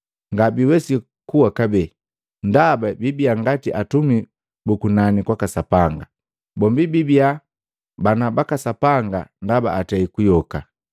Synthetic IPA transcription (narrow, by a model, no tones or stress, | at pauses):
ŋɡabiwɛsi | kuwakabɛ | ndababibiaŋɡatiʔatumi | bukunanikwakasapaŋɡa | bɔmbibibia | banabakasapaŋɡa̰ndaba̰ːtɛikujɔka